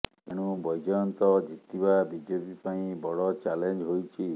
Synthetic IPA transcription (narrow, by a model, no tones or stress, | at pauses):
eɽ̃ũbɔjd͡ʒɔjɔnt̪ɔd͡ʒit̪ibabid͡ʒepipaĩbɔɽɔt͡ʃalend͡ʒɦojt͡ʃʰi